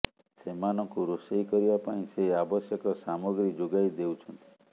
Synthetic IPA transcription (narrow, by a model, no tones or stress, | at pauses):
semanɔ̃kuɾosejkɔɾibapaĩseabɔsjɔkɔsamɔɡɾid͡ʒoɡajd̪ewt͡ʃʰɔnt̪i̥